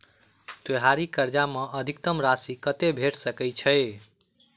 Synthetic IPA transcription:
t̪eɦaɾikəɾd͡ʒameʔəd̪ʱikt̪əmɾasikət̪ebʱeʈsəkəjt͡ʃʰəɪ

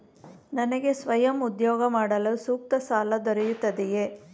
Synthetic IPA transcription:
nɐnɐɡe̞sʋɐjɐmud̪jɔːɡɐmaːɽɐlusuːk̚t̪ɐsaːlɐd̪ɔɾɛjut̪ːɐd̪ɛjeː

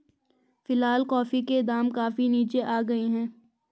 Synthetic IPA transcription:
fɪlɦaːlkɔːfiked̪aːmkaːfiniːt͡ʃeʔaːɡɐeɦɛ̃ː

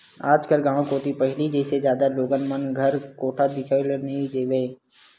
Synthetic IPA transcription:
aːd͡ʒkəlɡãːɽ̃õkoːt̪ipəɦɪliːd͡ʒeːsed͡ʒjaːd̪aloːɡənmənɡʱəɾkoːʈʰad̪ɪkʰaʋelənid͡ʒeːʋeː

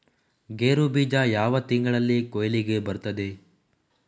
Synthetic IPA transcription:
ɡeːɾubiːd͡ʒajaːʋɐt̪iŋɡɐɭɐlːikojɐliɡe̞bɐɾt̪ɐd̪e̞

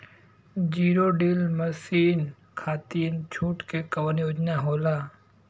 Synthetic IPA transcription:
d͡ʒiːɾoɖiːlməsiːn | kʰaːt̪iənt͡ʃʰuːʈkekɐʋənjoːd͡ʒnaɦoːlaː

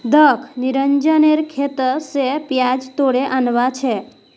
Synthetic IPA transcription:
d̪əkʰniɾəɲd͡ʒəneɾkʰet̪əsepjad͡ʒt̪oɽeʔanʋat͡ʃʰe

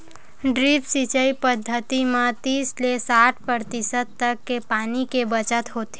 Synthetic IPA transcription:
ɖɾiːpsit͡ʃəipəd̪ʱːət̪imãt̪iːslesaːʈʰpɾəɾt̪ɪsəd̪̚t̪əkːepaːnikebət͡ʃət̪ɦoːt̪e

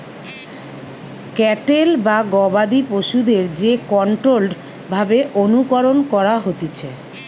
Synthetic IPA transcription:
kɛʈelbaɡɔbad̪ipoʃud̪eɾd͡ʑekɔɳʈɾolɖ | bʱabeʔonukɔɾonkɔɾaɦot̪it͡ɕʰe

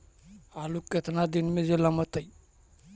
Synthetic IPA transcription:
alukːet̪ʰanad̪inmezelamat̪aj

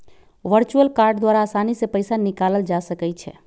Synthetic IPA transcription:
ʋəɾt͡ʃuəlkaɾɖd̪waɾaːsanisẽpəjsanikaləld͡ʒasəkɛt͡ʃʰɛ̰

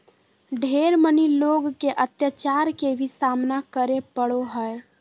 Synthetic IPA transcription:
ɖʱeɾməniloɡkeʔət̪jət͡ʃaɾkebʱisamnakəɾepəɽoɦəe

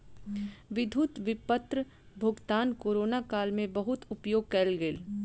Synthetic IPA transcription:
ʋɪd̪ʱut̪ʋɪpət̪ɾ | bʱʊɡt̪aːnkoːɾoːnakaːlmẽbɐɦʊt̪ʊpjoːɡ̚kɛlɡeːl

